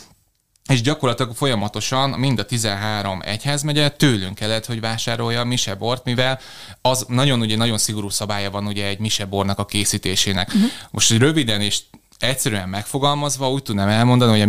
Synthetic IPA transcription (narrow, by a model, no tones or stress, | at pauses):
eːʒɟɒko̞rlɒt̪ilɒɡfo̞jɒmɒt̪o̞ʃɒnmind̪ɒt̪izɛnɦaːɾo̞mɛ̰chɛzmɛɟɛt̪øːlyŋkɛlːɛt̪ho̞ɟvaːʃaːɾo̞jːɒːmiʃɛbo̞rt̪mivɛl | ɒznɒɟo̞nuɟɛnɒɟo̞nsiɡo̞ɾuːsɒbaːjɒvɒnuɟɛːɟmiʃɛbo̞rnɒkɒkeːsiːt̪eːʃeːnɛ̰kmʔo̞̰ʃt̪oɟrøvid̪ɛneːʃ | ɛcsɛɾyɛmːɛkfo̞ɡɒlmɒzʋɒuːc̚t̪ud̪namɛlmo̞nd̪ɒniɦoɒ